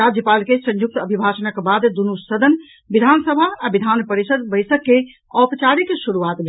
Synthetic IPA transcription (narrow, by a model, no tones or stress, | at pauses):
ad͡ʒjəpalkesə̃ɲjuk̚t̪əbʱibʱasənəkbad̪d̪unusəd̪ʱən | bid̪ʱansəbʱaːbid̪ʱanpəɾisəd̪bəjsəkːe | ɔpt͡ʃaɾikesuɾuat̪me